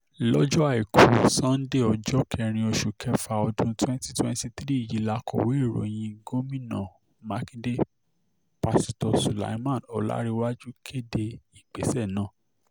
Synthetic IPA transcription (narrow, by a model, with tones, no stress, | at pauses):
lɔ˦d͡ʒɔ˦a˦˨i˨ku˨˦o˨sã˦n̩˦de˦˨ɔ˧d͡ʒɔ˦kʰɛ˧ɾ̃ĩ˧o˧ʃu˨kʰɛ˧fa˧ɔ˧dũ˧twɛ̃˦n˦ti˦twɛ̃˦n˦ti˦tɾi˦˨ji˨˦la˧kʰɔ˨we˨˦i˦˨ɾo̰˨j̃ĩ˧˦ɡo˦mĩ˦nã̰˨ | ma˧kĩ˦de˦ | pa˧si˧tɔ˧su˨la̰˨jmã˦˨nɔ˨la̰˦ɾi˧wa˦d͡ʒu˦kʰe˦de˧i˨k͡pe˨˦sɛ˦˨nã˦˨